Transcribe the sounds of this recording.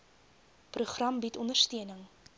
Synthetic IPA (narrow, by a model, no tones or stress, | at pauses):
pruχrɐmbitɔndərstiənəŋ